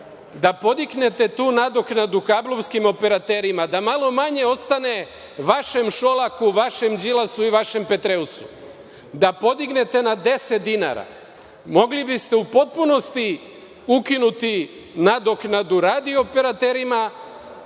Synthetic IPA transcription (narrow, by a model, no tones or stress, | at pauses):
d̪apo̞d̪ikne̞t̪e̞t̪uːnad̪o̞knad̪ukaːblˠo̞ʋskimo̞pe̞ɾat̪eɾimad̪amalˠo̞maɲe̞o̞st̪ane̞ | ʋaʃe̞mʃo̞lˠakuʋaʃe̞md͡ʒilasuiʋaʃe̞mpe̞t̪ɾeusu | d̪apo̞d̪iɡne̞t̪e̞nad̪e̞set̪̚d̪ina̰ɾa̰ | mo̞ɡlibist̪e̞upo̞t̪̚puno̞st̪i | ukinut̪i | nad̪o̞knad̪uɾad̪ioːpe̞ɾat̪eɾima